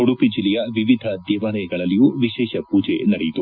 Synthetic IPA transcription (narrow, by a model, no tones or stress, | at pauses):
oɽupid͡ʒilːɛjɐʋiʋid̪ʱɐd̪ɛːʋaɾɐjɐɡɐɭɐlːijuʋiʃɛːʃɐpuːd͡ʒḛnɐɽejit̪u